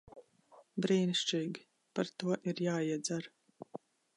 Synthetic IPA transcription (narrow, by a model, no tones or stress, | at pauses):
bɾiːniʃt͡ʃiːɡʲi | paɾt̪uɔʔiɾjaːiɛd̪zaɾ